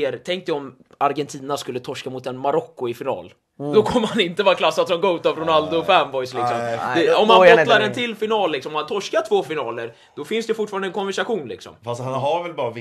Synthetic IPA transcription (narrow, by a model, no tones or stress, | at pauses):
eɾt̪ʰɛŋk̚t̪ɪɔm | aɾɡɛnt̪ʰiːnaskɵlːət̪ʰɔʂkamʊt̪ɛnmaɾɔkːʊɪfɪnɑ̰ːl | d̪ɔkʰɔmːəɾhanɪnt̪əvɑːkʰlasːat̪sɔmɡot̪aɾʊnald̪ʊɔfɛmvɔjslɪksɔmd̪ɛɔmːanbɔlaɾɛnt̪ʰɪlfɪnɑːllːɪksɔmɔmhant̪ʰɔʂkaʈʰv̥oːfɪnɑːləɾ | d̪̥ɔfɪnsd̪ɛfʊʈːfɑːɾanəɛnkʰɔnvæʂaɧuːnlɪ̰ksɔ̰mfast̪hanɦaɾvɛlbɑːɾa